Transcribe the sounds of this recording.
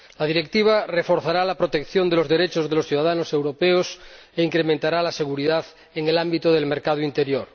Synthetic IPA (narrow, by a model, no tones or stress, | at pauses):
laðiɾekt̪iβ̞arefoɾθaɾalapɾot̪ekθjond̪elozðeɾet͡ʃozðelosθjuð̞aðanosewɾopeos | eiŋkɾemẽnt̪aɾalaseɣuɾiðað | eŋelambit̪oð̞elmeɾkað̞oint̪eɾjoɾ